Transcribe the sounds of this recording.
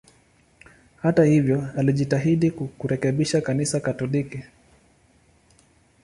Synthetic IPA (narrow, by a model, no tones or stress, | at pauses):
hatahivjɔaliʄitaɦiɗikkuɾɛkɛɓiʃakanisakatɔliki